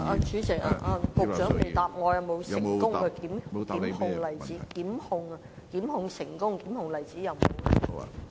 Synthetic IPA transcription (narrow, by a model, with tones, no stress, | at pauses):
aː˧t͡ʃʰyː˨˥t͡sɪ˨˩k̚a̰ː˧ʔa˧pʊ˨˧t͡ʃœː˨˥ŋme˨˩t̪aː˨p̚ŋɔː˨˧jɐ˨˧wmo˨˧wsɪ˨˧kʊ˥ŋɐ˧kiː˨˥m˨˧ki˨˧˥m˨hʊ˨˧ŋlɐ˨˩jt͡siː˨˥kiː˨˥mhʊ˨ŋɐ˧kiː˨˥mhʊ˨ŋsɪ˨˩ŋkʊ˥ŋkiː˨˥mhʊ˨ŋlɐ˨˩jt͡siː˨˥jɐ˨˧wmo̰˨˧w